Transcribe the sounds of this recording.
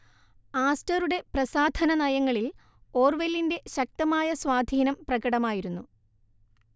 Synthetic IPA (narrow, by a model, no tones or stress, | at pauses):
aːstɐɾuɽe̞prɐsaːd̪ʱɐnɐnɐjɐŋːɐɭil | o̞ːrʋelːinde̞ɕɐk̚t̪ɐmaːjɐswaːd̪ʱiːnɐmprɐɣɐɽɐmaːjiɾunːu